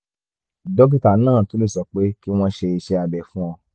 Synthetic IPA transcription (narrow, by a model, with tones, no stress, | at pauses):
dɔ˦k̬ĩ˦ta˨˦nãː˦˨to˨˦le˦˨sɔ˧k͡pe˨˦ki˦w̃ɔ̃˧ʃe˧i˧ʃɛ˧a˧bɛ˨fũ˦ɔ̃˧